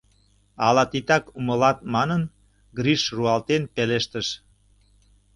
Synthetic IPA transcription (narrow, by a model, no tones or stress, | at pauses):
ɑlɑt̪it̪ɑkuməlɑt̪̚mɑnən | ɡɾiʃruɑlt̪enpeleʃt̪əʃ